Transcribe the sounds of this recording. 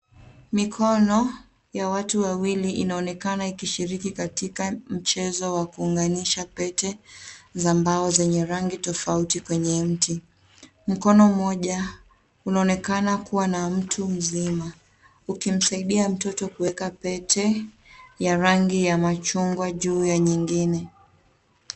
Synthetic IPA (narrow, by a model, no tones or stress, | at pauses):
mikʰɔnɔ | jawatuwawiliʔinaɔnɛkanaikiʃiɾikikatikam̩t͡ʃɛzɔwakuːŋɡaniʃapɛtɛzambaɔzɛɲɛɾaŋɡitɔfautikwɛɲɛm̩ti | m̩kɔnɔm̩ɔʄa | unaɔnɛkanakuwanam̩tʰum̩zima | ukim̩saiɗiam̩tɔtɔkuwɛkapɛtʰɛ | jaɾaŋɡijamat͡ʃuŋɡwaʄuːjaɲiŋɡinɛ